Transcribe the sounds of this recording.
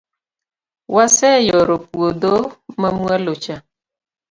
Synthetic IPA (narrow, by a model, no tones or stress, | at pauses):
wasɛjɔɾopuodomamualot͡ʃa